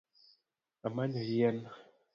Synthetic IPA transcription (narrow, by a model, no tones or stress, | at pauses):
amanəjɛn